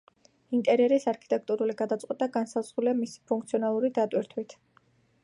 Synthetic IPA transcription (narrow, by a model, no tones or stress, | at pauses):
int̪ʼɛɾiɛɾisaɾkʰi̥t̪ʼɛk̚ʰt̪ʼuɾuliɡad̪at̪sʼqʼwɛt̪ʼaɡansaz̥ʁuliamisi̥pʰuŋk̚ʰt̪sʰiɔnalˠuɾid̪at̪ʼwiɾt̪ʰwit̪ʰ